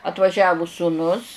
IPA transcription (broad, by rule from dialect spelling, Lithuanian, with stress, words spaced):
ɐtʋɐˈʒʲæːʋʊ suːˈnʊs